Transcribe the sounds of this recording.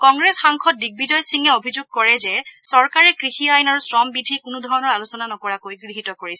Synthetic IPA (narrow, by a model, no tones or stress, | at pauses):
kɔŋɡɹɛsxaŋkʰɔt̚dik̚bizɔjsiŋɛobʱizuɡ̚kɔɹɛzɛsɔɹkaɹɛkɹixiajnaɹusɹɔmbidʱikʊnʊdʱɔɹɔnɔɹalusɔnanɔkɔɹakojɡɹiɦitɔkoɹisɛ